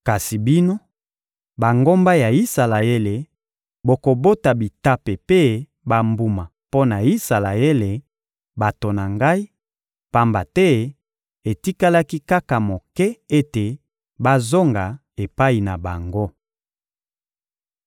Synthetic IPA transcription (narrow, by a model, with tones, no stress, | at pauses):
ka˨si˨bi˦no˦ | ba˨ŋɡo˦mba˦ja˨i˦sa˨la˨e˦le˨ | bo˨ko˨bo˦ta˨bi˨ta˦pe˨pe˦ | ba˦mbu˦ma˨ | po˦na˨i˦sa˨la˨e˦le˨ | ba˨to˨na˨ŋɡa˦i˦ | pa˦mba˨tɛ˦ | e˨ti˦ka˦la˦ki˦ka˦ka˨mo˨kɛ˦e˦te˨ | ba˦zo˦ŋɡa˨ | e˨pa˦i˨na˨ba̰˨ŋɡo˦